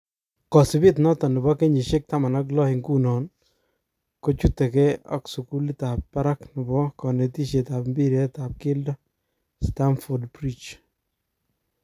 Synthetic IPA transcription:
kɔ˨sɪ˨bɪ˦tnɔ˦tɔ˨nɪ˨bɔ˦ke˦ɲi˨ʃɪ˦k̚ta˦ma˨na˦k̬lɔ˦hɪ˨ŋku˦nɔ˨n | ko˦t͡ʃu˦tːɛ˨kɛ˦ɔ̰˦ksu˨ku˦li˦ta˨pːa˦ɾa˦knɪ˨bɔ˦kɔ˨ne˨ti˦ʃe˨ta˨pmbi˦ɾɛ˦ta˨p̚kɪ˦ldɔ˦ | sta˦mfɔ˨dpɾi˦t͡ʃ

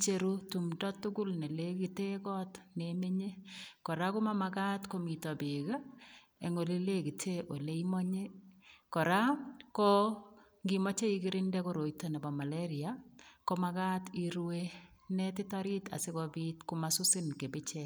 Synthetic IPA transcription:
t͡ʃe˨ɾu˦tu˨mdɔ˦tːʊ˦ɡʊ˦lne˨le˦ɡi˨te˦ɡɔ˦tneme˦ɲe˦kɔ˨ɾa˦kʊ˦ma˦ma˨ɡa˦tko˦mi˨tɔ˨bɪ˨ɡa˦ | e˨ŋo˨li˦le˦ɡi˨tʰe˦ʔo˨le˦imɔ˦ɲe˦kɔ˨ɾa˦ko | ŋɡimɔ˦t͡ʃe˦i˦ɡɪɾɪ˦ndɛ˦ko˦ɾo˨jtɔ˨na˨bɔ˨ma˨leɾɪa˨kɔ˦ma˦ɡa˦ti˦ɾwenɛ˦t̬ɪ˦tɔ˦ɾi˦ta̰˨sɪ˦kɔ˦bitkʊmasʊ˦sɪ˦nke˨bɪ˦t͡ʃɛ˦

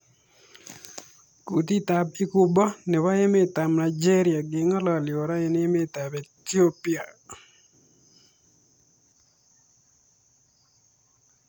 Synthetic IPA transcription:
ku˨t̪i˦t̪a˨bi˦ku˦bɔ˦nɪ˨wa˦je˦me˦˨t̪a˨mna˨d͡ʒe˦ɾja˨ɡɪ˨ŋɔ˦lɔ˨lɪ˨o˨ɾa˦e˨nɪ˦me˦˨t̪a˨be˨t̪io˦pia˨

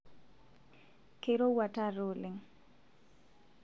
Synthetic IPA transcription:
ke˨ɾo˦wa˨ta˦ɾo˨lɪ˨ŋ

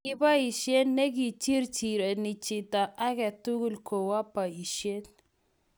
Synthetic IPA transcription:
ɪ˦ba˦i˨ʃe˦nːe˦ɡi˨t͡ʃi˦ɾt͡ʃi˨ɾe˨nɪ˨t͡ʃɪ˨ta˨ʔa˦ɡɛ˨tu˦ɡu˦˨lkʰo˨wa˦pa˨i˨ʃe˦n

